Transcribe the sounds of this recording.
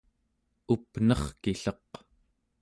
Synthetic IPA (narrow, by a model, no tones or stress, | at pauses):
upnʌχkiɬʌq